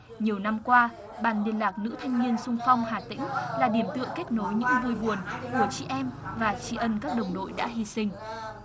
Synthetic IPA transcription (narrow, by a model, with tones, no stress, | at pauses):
ɲi˨˩əwna˧mkwaː˧ | ɓaː˨˩nɗi˨˩ənlaː˨˩k̚nɨ̰˧˥t̪ʰa˧jŋ̟ɲi˧ənsʊ˧ŋ͡mfa˧wŋ͡mhaː˨˩t̪ḭ̈˧˥ŋ̟laː˨˩ɗi˧˩əmt̪ɨ̰˧˨əŋkɛ˦˥k̚no˨˦jɲɨ̰˧˥ŋvu˧jɓu˨˩ənku˧˩ət͡ɕḭ˧˩ʔɛ˧mvaː˨˩t͡ɕi˧˩ʔə˧nkaː˦˥k̚ɗə˨˩wŋ͡mɗo̰˧˨jɗa̰ː˧˥ɦi˧sï˧ŋ̟